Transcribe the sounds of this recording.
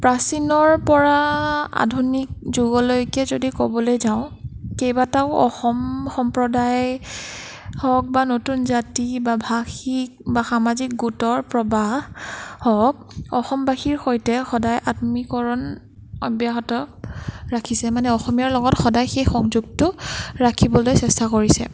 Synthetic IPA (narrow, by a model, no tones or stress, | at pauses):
pɹasinɔɹpɔɹaa̰dʱunik̚zuɡɔlojkɛzodikɔbɔlojzaʊ̃kejbataʊʔɔ̰xɔmxɔmpɹɔdaj | hɔk̚banotunzatibabʱaxik̚baxamazik̚ɡutɔɹpɹɔbahhɔk̚ɔxɔmbaxiɹxojtɛxɔdajʔatmikɔɹɔn | ɔbjaɦɔtɔ | ɹakʰisɛmanɛɔxɔmijaɹlɔɡɔtxɔdajxejxɔŋzuɡ̚tʊɹakʰibɔlojsɛstakoɹisɛ̰